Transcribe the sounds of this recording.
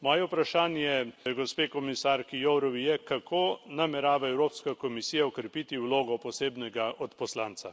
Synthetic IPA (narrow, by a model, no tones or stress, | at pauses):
mɔːjɛpɾaʃaːnjɛɡɔspeːkɔmisaːɾkijowɾɔʋijɛkakʰoːnamɛɾaːʋaɛwɾoːpskakɔmisiːjaɔkɾɛpit̪iwloːɡɔpɔseːbnɛɡaʔɔt̪pɔslaːnt̪sa